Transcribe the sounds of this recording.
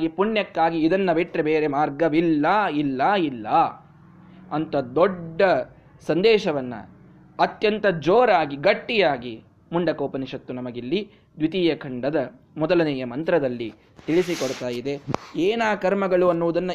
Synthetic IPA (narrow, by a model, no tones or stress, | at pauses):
ɡipuɳjɐkːaːɡiːd̪ɐnːɐbeʈɾebeːɾemaːɾɡɐʋilːɐilːɐilːɐ | ɐnt̪ɐd̪ɔɖːɐ | sɐnd̪ɛːʃɐʋɐnːɐ̰ | ɐt̪jɐnt̪ɐd͡ʒoːɾaːɡiɡɐʈːijaːɡi | muɳɖɐkoːpɐniʂɐt̪ːunɐmɐɡilːi | d̪ʋit̪iːjɐkʰɐɳɖɐd̪ɐ | mɔd̪ɐlɐnɛːjɐmɐnt̪ɾɐd̪ɐlːi | t̪iɭisikɔɽt̪aːjid̪e̞eːnaːkɐɾmɐɡɐɭuɐnːuʋud̪ɐnːɐ